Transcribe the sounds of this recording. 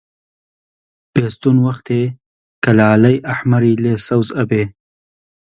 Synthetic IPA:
pest̪unwɐxt̪e | kɐlaːlɐjʔaħmɐɾiːleːsɐwzɐbeː

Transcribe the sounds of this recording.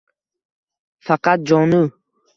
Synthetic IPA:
faqat̪̚d͡ʒɔːnu

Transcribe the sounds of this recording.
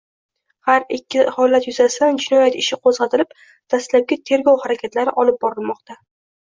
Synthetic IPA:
haɾɪkʲʰːɪhɒlat̪jʊzasɪd̪and͡ʒɪnɒjat̪ɪʃɪqʰozʁɑt̪ʰɪlɪp̚ | d̪̥aslap̚ɡʲat̪ʰe̞ɾɡɒwhaɾakʲʰat̪laɾɪʔɒlɪp̚bɒɾɪlˠmɒq̚t̪ʰa

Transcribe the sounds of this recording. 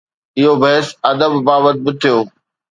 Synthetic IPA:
ɪɦobɐɦesɐd̪əbːaːʋət̪̚bɪt̪ʰijoː

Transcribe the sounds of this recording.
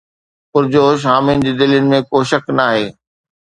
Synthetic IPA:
pʊɾd͡ʑoːʃ̬aːmɪnɪ̆d͡ʑiːd̪ɪljʊnɪ̆mẽkoːʃɐknaːɦeː

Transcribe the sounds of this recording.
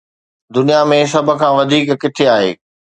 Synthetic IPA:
d̪ʊnijamẽs̬ɐbʱə̆kʰãːʋɐd̪ʱiːkkɪt̪ʰeaːɦḛː

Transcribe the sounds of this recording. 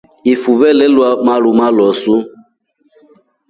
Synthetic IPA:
ifuvɛlɛlwamaɾumalɔsu

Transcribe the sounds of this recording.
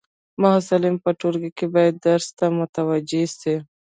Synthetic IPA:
maɦasalɪmpəʈoɾɡikebɑjad̪ːaɾst̪amʊt̪awad͡ʒesi

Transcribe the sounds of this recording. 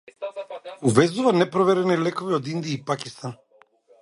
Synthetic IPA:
uvɛzuvanɛpɾɔvɛɾɛnilɛkɔviɔd̪ind̪iaipakist̪an

